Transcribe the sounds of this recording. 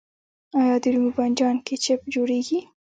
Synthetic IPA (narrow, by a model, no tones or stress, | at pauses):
ɑjɑd̪əɾumuband͡ʒɑnket͡ʃepd͡ʒoɽeɡi